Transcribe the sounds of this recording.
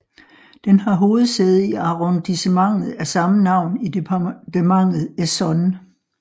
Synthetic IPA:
d̥enhɑ̈ɦo̝ːð̞̩ˠseð̞̩ˠiɑ̈ʁond̥isemɑ̈ŋ̰ð̩ˠæsɑ̈mənɑ̈ʊ̰nidd̥emɑ̈ŋ̰ð̩ˠesɒ̽n

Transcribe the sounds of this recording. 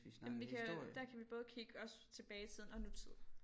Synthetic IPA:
ismnʋikʰæd̥æɐkʰæʋib̥ɔ̽ːð̞ˠkʰiɡ̥əɒ̽st͡sʰe̝b̥ɛːɪt͡sʰiðˠn̩ɒ̽nut͡sʰið̰ˠ

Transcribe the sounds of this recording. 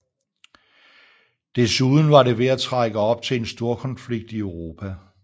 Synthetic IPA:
d̥e̝suðˠn̩ʋɑ̈ɾe̝ʋe̝æt͡sʰʁɑɡ̥əɒ̽b̥̚t͡sʰe̝le̝nsd̥o̝ɐkʰɒ̽nfliɡ̥̚d̥iøʊʁo̝ːpʰæ

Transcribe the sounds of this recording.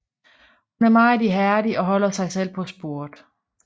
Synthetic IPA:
hunæɐmɑ̈ɪdiɦæɐdiɒ̽ɦɒ̽l̰ɐsɑ̈ɪsel̰pʰɒ̽sb̥o̝ɐ̰d̥

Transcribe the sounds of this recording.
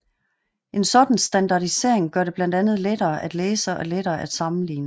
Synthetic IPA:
ʔe̝nsɒ̽d̥n̩sd̥ænd̥ɑ̈d̥ise̝ɐ̰e̝ŋɡ̥ɶɐdɾe̝b̥læn̰d̥ænð̞̩ˠleɾ̥ɐːʔæd̥leːsəʔɒleɾɐːʔæd̥sɑ̈mn̩lḭːnə

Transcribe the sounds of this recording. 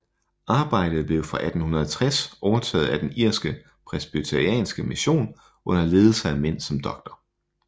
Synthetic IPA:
ʔɑ̈ːb̥ɑ̈ɪ̰d̥ð̞̩ˠb̥le̝ʊfʁɑ̈ʔæd̥n̩hunɐðˠɐt͡sʰʁasʔɒʊɐt͡sʰɛ̰ːð̞̩ˠæd̥eniɐ̰sɡ̥ə | pʰʁɛsb̥it͡sʰæʁiɛ̰ːnsɡ̥əmiɕo̝̰ːn | ʔɔ̽n̰ɐle̝ːð̞ˠl̩səæmen̰sɒ̽md̥ɒ̽ɡ̥̚d̥ɐ

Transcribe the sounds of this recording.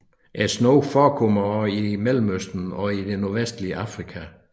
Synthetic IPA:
ʔæsnɔʊfɒːkʰɔmɐimelm̩øsd̥n̩ɒidenoɐʋesd̥liəʔɑ̈fʁikʰæ

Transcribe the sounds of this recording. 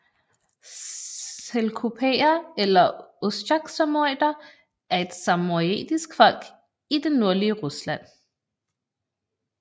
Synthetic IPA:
elkʰupʰḛɐelɐosɑɡ̥sɑmoḛːd̥ɐ | ʔæɐe̝d̥sɑmoḛːd̥isɡ̥fɒ̽l̰ɡ̥ | id̥enːo̝ɐliəʁuslæn̰

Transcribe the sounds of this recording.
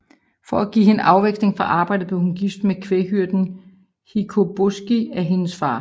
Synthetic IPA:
fɒæɡ̥ḭːenʔɑ̈ʊʋeɡ̥sne̝ŋfɒʔɑ̈ːb̥ɑ̈ɪ̰d̥ð̩ˠb̥leʊhunɡ̥ifd̥mekʰʋeɦyɐ̰d̥n̩ | hikʰo̝b̥osɡ̥iæɦe̝nəsfɑ̰̈ː

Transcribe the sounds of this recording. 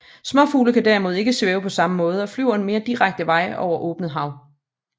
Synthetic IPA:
smɒ̽fuːləkʰæd̥æɐmo̝ð̞̩ˠe̝ɡ̥əsʋeːʊpʰɒ̽sɑ̈məmɔ̽ːð̞ˠɒ̽flyʊ̰ɐenme̝ːɐd̥iʁaɡ̥̚d̥əʋɑ̈ɪ̰ʔɒʊ̰ɐʔɔ̽ːb̥nəð̩ˠɦɑ̈ʊ

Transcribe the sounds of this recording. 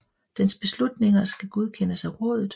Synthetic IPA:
d̥ensb̥e̝slud̥ne̝ŋɐsɡ̥æɡ̥uð̞ˠkʰenəsæʁɔ̰ːð̞ˠð̩ˠ

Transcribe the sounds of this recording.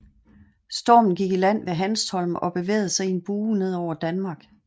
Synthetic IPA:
sd̥ɔ̰ːmn̩ɡ̥iɡ̥ilæn̰ʋe̝ɦænstʰɒ̽lmʔɒ̽b̥e̝ʋḛːð̩ˠsɑ̈ɪe̝nb̥uːne̝ð̞̰ˠɒʊ̰ɐd̥ænmɑ̈ːɡ̥

